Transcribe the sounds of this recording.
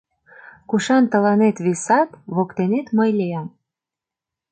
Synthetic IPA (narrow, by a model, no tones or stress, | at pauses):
kuʃɑnt̪ə̆lɑnet̪βisɑt̪βokt̪enet̪məjleɑm